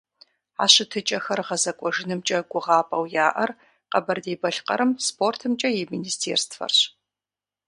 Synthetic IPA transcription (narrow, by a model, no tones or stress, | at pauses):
a̰ːɕɨtʰɨt͡ʃʼɐxɐrʁɐzɐkʷʼɔʐɨnɨmt͡ʃʼɐɡʷʊʁɑːpʼɐwjaːʔɐr | qɐbɐrdeːbɐɬqɐ̰ɾɨmspʰoːrtʰɨmt͡ʃʼɐjɛminiːstʰḛːrstfɐ̰rɕ